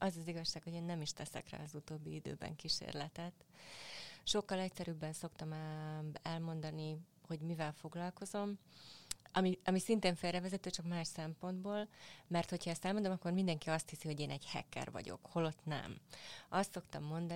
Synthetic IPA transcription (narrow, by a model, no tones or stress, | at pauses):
ʔɒzɒziɡɒʃːaːkho̞ɟeːnːɛmiʃt̪ɛsɛ̰kra̰ːɒzut̪oːbːiid̪ø̰ːbɛ̰ŋkiʃḛːrlɛt̪ɛt̪ | ʃo̞kːɒlɛcsɛɾybːɛnso̞kt̪ɒm | ɛlmo̞nd̪ɒni | ho̞ɟmivɛlfo̞ɡlɒlko̞zo̞m | ɒmiɒmisint̪eːɱfeːlrɛvɛzɛt̪øːt͡ʃɒkmaːʃsɛmpo̞nd̪boːlmɛrt̪ho̞chɒɛst̪ɛlmond̪omɒkːo̞rmind̪ɛŋkiɒst̪hisiho̞ɟeːnɛɟhɛ̰kːɛ̰rvɒ̰ɟo̞̰kho̞lo̞t̪nɛ̰mɒst̪so̞kt̪ɒmːo̞nd̪